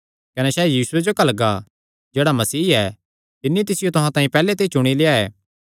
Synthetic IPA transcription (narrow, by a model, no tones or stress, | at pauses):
kɐnɛsɛːjiːsʊed͡ʒokɐlɡa | d͡ʒeːɽamɐsiːɛ | t̪ɪnːit̪̬ɪsɪjot̪ʊɦãt̪ãːĩpɛːlet̪̬eit͡ʃʊɽ̃ileaɛː